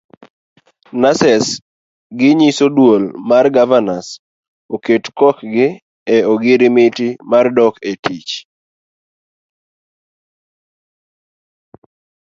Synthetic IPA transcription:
nasɛs | ɡɪɲisodwolmarɡavanas | oketkɔkɡɪ | ɛoɡɪɾɪmɪtɪmardɔketit͡ʃ

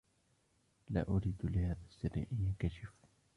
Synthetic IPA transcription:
la̰ːʔʊɾiːd̪lɪhaːðasːɪɾːɪ̰ʔɪnjakaʃɪf

